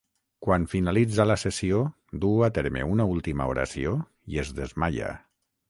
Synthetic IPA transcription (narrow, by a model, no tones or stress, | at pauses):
kwanfinalid͡zalasesio | d̪uat̪eɾmḛunaulˠt̪imaoɾa̰sio | iezðezmaʎa̰